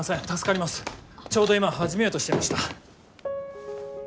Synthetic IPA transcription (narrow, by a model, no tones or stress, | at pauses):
asẽnt̪asɨ̥kaɾʲimasɨ̥t͡ɕo̞ːd̪o̞imahaʑime̞jo̞ːt̪o̞ɕi̥t̪maɕi̥t̪a